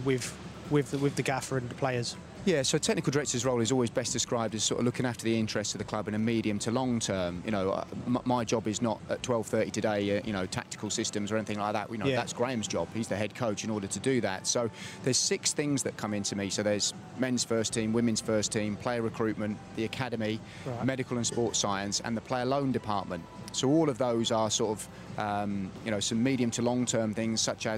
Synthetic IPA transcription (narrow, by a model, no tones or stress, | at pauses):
wɪð̥ | wɪðwɪðəɡafə˞ə̃nðəpʰl̥eɪəz̥ | jæsoʊtʰɛk̚nɪkəl̩ˠdəɹɛk̚tʰəzɹoʊlˠɪzɔlˠwizbɛsd̥ɪskɹaɪb̚dɨz̥sɔ̰ɹtə̰vlʊkɪ̃ŋaftəðiɪ̃nt͡ʃɹ̥ɛstsəvðəkʰl̥ʌbɪ̃nəmiːɾiɨ̃mtʰəlɒ̃ŋtʰɜːmjɨ̰ñoʊ̰maɪd͡ʒɒbɪznətətʰw̥ɛlˠv̥θɜˑtitʰɨdeɪjʔɨ̰ñoʊtʰa̰k̚tɪ̥kʰəlˠsɪstə̃mzə˞ɛniθɪ̃ŋlaɪk̚ðə̰ʔjɨnoʊðatsɡ̥ɹẽɪ̃mzd͡ʒɒb̥hizðəɦɛd̚kʰoʊt͡ʃɪ̃ñɔːɾətʰədɨðæ̰tsoʊðəz̥sɪksθɪ̃ŋzðəʔ̚kʰʌ̃mɪ̃ntʰɨmisoʊðəz̥ | mɛ̃nz̥fɜˑstʰĩmwɪ̃mɨ̃nz̥fɜˑstʰĩːmpʰl̥eɪəɹɪkʰɹ̥ʉˑʔ̚mə̃nʔðiəkʰaɾəmi | mɛɾɪkəlˠə̃nspɔˑtsaɪə̃nsə̰̃nðəpʰl̥eɪələ̃ʊ̃ndɨpʰɑˑʔ̚mə̃nt | soʊɔːlˠʌvðoʊzəsɔˑtəv̥ | ʔʌ̃mjɨnoʊsʌ̃mːiːɾiə̃mtʰəlɒ̃ŋtʰɜ̃ːmθɪ̃ŋz̥sʌt͡ʃə